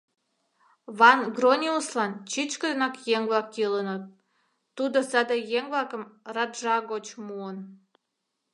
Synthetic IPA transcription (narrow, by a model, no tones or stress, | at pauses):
βɑnɡronʲiuslɑnt͡ɕit͡ɕkəd̪ənɑkjeŋβlɑkjilənət̪̚ː | ud̪osɑd̪əjeŋβlɑkəmrɑd̪ʒɑɣot͡ɕmuən